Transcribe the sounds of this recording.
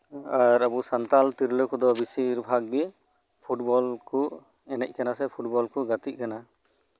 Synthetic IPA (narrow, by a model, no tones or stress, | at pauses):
aɾabusant̪alt̪iɾləkɔd̪ɔbisiɾbʱaɡ̚bi | pʰuʈbɔlku | ɛnɛc̚ˀkanasɛpʰuʈ̚bɔlkuɡat̪it̪̚kana